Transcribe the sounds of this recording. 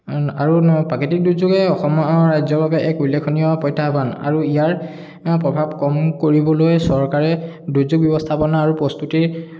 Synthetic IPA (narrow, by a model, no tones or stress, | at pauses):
aɹupaketik̚duzuɡɛɔxɔmɔaɹajzɔbʱabɛʔɛkulːekʰːoniɔapɔjtʰːaɦbana̰ɹuijaɹ | pɹɔbʱabkɔmkoɹibɔlojsɔɹkaɹɛ | dujzuɡ̚bjɔbɔst̪ʰapɔnaːɹupɹɔst̪utiɹ